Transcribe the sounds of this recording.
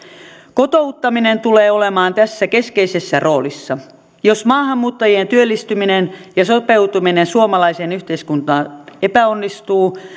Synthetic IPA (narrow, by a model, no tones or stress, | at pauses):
kot̪o̞ut̪ːɑminent̪uleːolemɑːnt̪æsːæke̞skeisesːæro̞ːlisːɑ | jo̞smɑːɦɑmːuːt̪ːɑjient̪yølːist̪yminenjɑsope̞ut̪uminensuomɑlɑisenyht̪e̞iskunt̪ɑːepæonːist̪uː